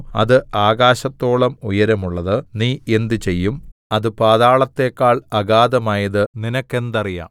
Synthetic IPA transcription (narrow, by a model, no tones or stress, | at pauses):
ɐ̰ðɨaːɣaːɕɐt̪ːo̞ːɭɐmujɐɾɐmuɭːɐðɨniːe̞nd̪ɨt͡ɕe̞jːumɐðɨpaːðaːɭɐt̪ːe̞ːkːaːɭɐɣaːðɐmaːjɐðɨninɐkːe̞nd̪ɐrija̰ːm